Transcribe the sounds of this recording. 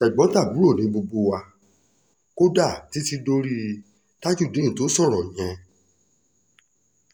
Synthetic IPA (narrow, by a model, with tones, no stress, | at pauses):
ɛ˨ɡ͡bɔ̃˨˦ta˦˨bu˨˦ɾo˦˨nĩ˨˦bo˧ɡ͡bo˧wa˧ | ko˦da˦˨ti˨˦ti˧do˧ɾi˦˧ | ta˦ki˦˨de˨˦ĩ˨to˨˦sɔ˦˨ɾ̃ɔ̃˨j̃ɛ̃˧